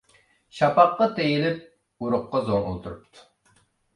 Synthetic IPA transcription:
ʃɑpɑqːɑt̪ʰejilɪp̚ | uɾʊqːɑzoŋṵlˠt̪ʰuɾup̚t̪ʰu̥

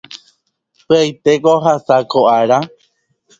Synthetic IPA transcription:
pɨajt̪ekoɦasakoʔaɾa

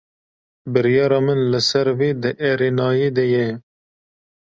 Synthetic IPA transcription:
bɨɾjɑːɾɑːmɨnlɨsɛɾweːd̪ɨʔɛɾeːnɑːjeːd̪ɛjɛ

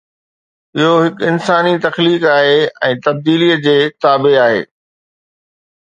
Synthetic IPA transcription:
ɪɦoɦɪkɪnsaːnit̪ɐxliːkaːɦeːɛ̃ːt̪ɐb̚d̪iːlijəd͡ʑeːt̪aːbeaːɦḛː

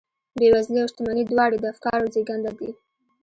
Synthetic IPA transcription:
bewazliaʊʃt̪amanid̪wɑɽed̪əafkɑɾozeɡand̪ad̪i

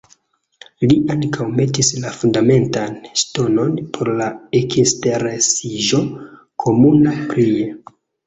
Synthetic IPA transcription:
liʔaŋkʰawme̞tislafundame̞ntanʃto̞no̞npʰo̞ɾlaekisteɾesiʒo̞ | kʰo̞munapɾie

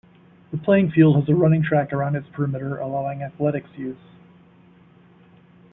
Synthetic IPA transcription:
ðəpʰl̥eɪɪ̃ŋfilˠd̚əzəɹʌ̃nɪ̃ŋtʰɹ̥ækə˞ãʊ̃ndɨtspʰɹɪmɪɾə˞ʔəlaʊɪ̃ŋæθlɛɾɨksjʉz̥

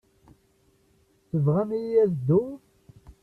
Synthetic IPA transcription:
θəvʁæmijæðd̪ːʊ

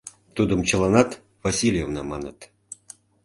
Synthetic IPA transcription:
t̪ud̪əmt͡ɕə̆lˠɑnɑt̪ | vasʲilʲjevnɑmɑnə̰t̪

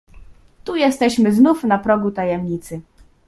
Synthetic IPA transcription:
t̪ujɛst̪ɛɕmɘznufnapɾɔɡut̪ajɛmɲit̪sɘ

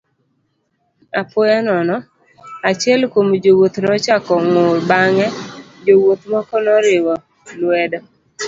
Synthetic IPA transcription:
apʊjanɔnɔ | at͡ʃjɛlkomd͡ʒowot̪nɔt͡ʃakɔŋʊɾbaŋɛd͡ʒowot̪mɔkɔnɔɾɪwɔ | lwɛdɔ

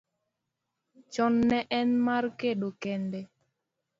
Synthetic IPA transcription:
t͡ʃɔnːɛʔɛnmaɾkeɗokɛndɛ

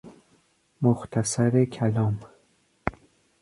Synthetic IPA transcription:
moxt̪ʰæsæɾekʰælɒːm

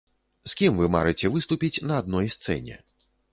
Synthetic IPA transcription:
skʲimvɨma̰ɾɨt͡sʲɛvɨst̪upʲit͡sʲnɐːd̪̚nɔjst̪sɛ̰nʲɛ̰

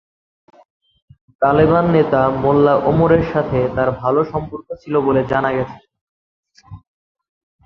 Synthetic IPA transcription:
t̪aliβanːet̪amolːaʔomoɾeɾʃat̪ʰet̪aɾbʱaloʃɔmpoɾkot͡ɕʰiloboled͡ʑanaɡɛt͡ɕʰe̥

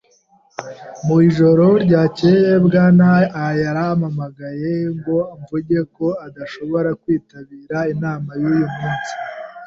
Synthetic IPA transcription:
muiʒo̞ɾo̞ɾɟaːcejebɡaːnaːjaɾamamaɡaje̞ŋɡo̞ɱvuɟe̞ko̞adaʃo̞βo̞ɾakwiːtaβiːɾainaːmajuːjumŋuːnsi̥

